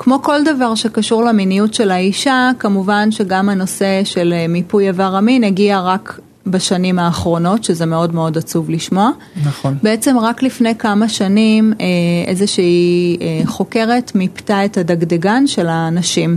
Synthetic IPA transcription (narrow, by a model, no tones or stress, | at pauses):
kmo̞ko̞ldavaʁʃekaʃuʁleminijutʃe̞laiʃakamuvanʃe̞ɡamano̞se̞ʃe̞lmipujavaʁamineɡiaʁak | baʃanimaːχʁo̞no̞tʃeze̞meo̞dmeo̞dat͡suvliʃmo̞a | nbeet͡semʁaklifne̞jkamaʃanimeʔezeʃiieχo̞ke̞ʁe̞tmiptae̞thadaɡdeɡanʃe̞lanaʃim